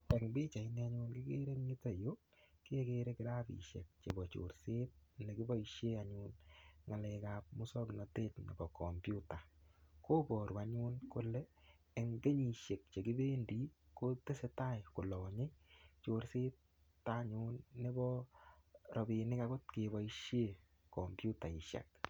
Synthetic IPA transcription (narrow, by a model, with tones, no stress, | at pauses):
ɛ˨ŋbɪ˦t͡ʃa˨i˦nɛ˧a˦ɲʊ˦nki˦ke˦ɾe˦kɲi˦tɔ˦˨jo˦ | ke˦ke˦ɾe˦kɪ˦ɾa˦bḭ˨ʃḛ˨k̚t͡ʃe˨bɔ˨t͡ʃo̰˨ɾse˦t̚ne˨ki˦bɔ˦iʃe˦aɲʊnŋa˨lɛ˧ka˨p̚mu˦sɔ˦knɔ˨teː˦tnḛ˨bɔ˨kɔ˨mpju˦ta˨koː˦bɔ˨ɾwa˨˦ɲʊ˦nkʊ˦leː˦˨ | ŋɡe˦ɲi˨ʃe˨k̚t͡ʃe˨ki˦be˦ndi˨ | ko˦te˦se˦ta˦jko˨lɔ˨ɲe˦t͡ʃo˨ɾse˦t̚ː | a˦ɲʊ˦nːe˦bɔ˦ | ɾɔ˨bi˨nɪ˦ka˨kʊ˦tke˨βɔ˨iʃje˦ | kɔ˨mbju˦ta˨i˨ʃa̰˨k̚